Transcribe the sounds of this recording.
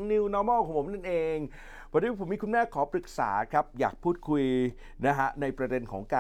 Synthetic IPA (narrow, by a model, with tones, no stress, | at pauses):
ŋni˧wnɔː˦˧˥mɔː˥˩kʰɔː˨˩˦ŋpʰo˩˦na˥˩nʔeː˧ŋ | bʰɔː˧˥dpʰo˩˦miː˧ku˧nmɛː˥˩kʰːɔː˩˦pɾɯ˨˩k̚sa̰ː˩˦kʰɾa˦˥p̚jaː˨˩k̚pʰuː˥˩t̪̚kʰu˧j | na˦˥kʰa˦˥ʔna˧jpɾa˧de˧nkʰɔ̰ː˩˦ŋkaː˧